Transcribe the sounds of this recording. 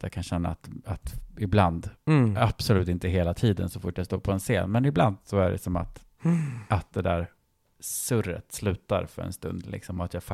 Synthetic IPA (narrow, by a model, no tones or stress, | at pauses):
ja̰kʰanɕɛnːa̰ːt̪at̪ɪbland̪ab̥sɔlʉ̟ːt̪ɪnt̪əɦeːlat̪ʰiːd̪ə̰nsɔfʊʈːjast̪oːɾpʰɔɛnseːnmɛnɪbland̪sɔæɖɛ̰sɔma̰t̪ | ʔat̪̚d̪ɛd̪æːɾ | sɵɾə̰t̪slʉ̟ːt̪a̰ɾfœ̰ɾɛ̰nst̪ɵ̰nd̪lɪ̰ksɔmɔat̪jafa